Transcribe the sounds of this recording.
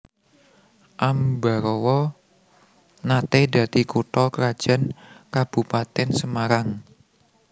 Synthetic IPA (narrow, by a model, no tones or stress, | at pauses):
ʔamba̤ɾɔwɔ | nat̪ed̪ä̤t̪ikuʈɔkəɾad̥ʒ̥ä̤nkab̥ṳpat̪ɛnsəmaɾaŋ